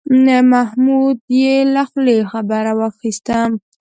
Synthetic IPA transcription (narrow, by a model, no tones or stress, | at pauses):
əmahmud̪jelaxlexabaɾawaxist̪am